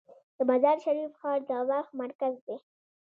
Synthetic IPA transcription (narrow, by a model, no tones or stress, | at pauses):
d̪̥əmazɑɾʃaɾifxɑɾd̪əwɑxmaɾkazd̪e